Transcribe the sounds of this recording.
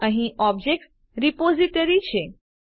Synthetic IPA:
ə̃ɦĩʔɔbd͡ʑek̚ʈ | ɾipoziʈəɾit͡ɕʰe

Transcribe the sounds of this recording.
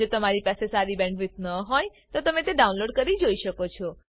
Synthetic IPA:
ot̪əmaɾipasesaɾibɛ̃ɳɖʋɪt̪nəɦojt̪ot̪əmet̪eɖaunloɖkəɾid͡ʒoiʃəkot͡ʃʰɔ

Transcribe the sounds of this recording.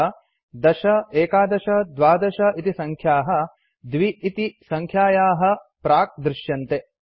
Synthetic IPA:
d̪ɐʃɐeːkaːd̪ɐʃɐd̪ʋaːd̪ɐʃɐit̪isɐŋkʰjaːɦɐ̆ | d̪ʋiːt̪isɐŋkʰjaːjaːɦɐ̆pɾaːk̚d̪ɾɪʃjɐnt̪e

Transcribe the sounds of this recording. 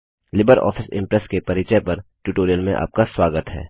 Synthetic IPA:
lɪbəɾɔ̰ːfʰɪsɪ̰̃mpɾɛskepɐɾɪt͡ʃəjpɐɾʈuʈoːɾijəlmẽʔa̰ːp̚kaswaːɡət̪ɦɛ̰ː

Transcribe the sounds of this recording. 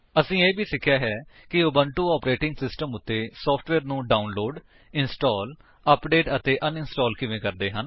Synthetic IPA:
əsĩːeːbʱiːsɪkʰːjaːɦɛː | kɪʊbəɳʈuːɔːpɾeːʈɪ̃ŋɡsɪsʈəmʊt̪ːeːsɔːpʰʈʰʋɛːɾnũːɖaːunloːɖ | ɪnsʈɔːl | əpɖeːʈət̪eːʔənɪnsʈɔːlkɪʋẽːkəɾd̪eːɦən

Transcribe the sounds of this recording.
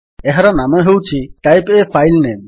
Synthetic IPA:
ɛɦaɾanameɦewt͡ɕʰiʈajpefʰajlnem

